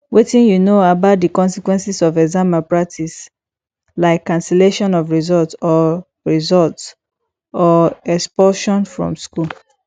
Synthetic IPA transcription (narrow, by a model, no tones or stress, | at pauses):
wetĩnjunoabaʊt̚dikɔ̃nsikwɛ̃nsisɔvɛɡzãmapɹak̚tʰis | laɪkːãnsɛleʃɔ̃nɔvɹizɔltɔ | ɹizɔlt | ɔɛkspɔʃɔ̃nfɹɔ̰̃msku